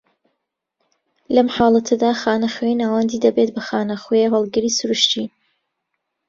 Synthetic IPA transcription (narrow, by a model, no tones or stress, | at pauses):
lɐmħaːlˠɐt̪ʰɐd̪aːxaːnɐxwenaːwɐnd̪iːd̪ɐbet̪bɐxaːnɐxjeɦəlˠɡɨɾiːsʊɾuʃt̪i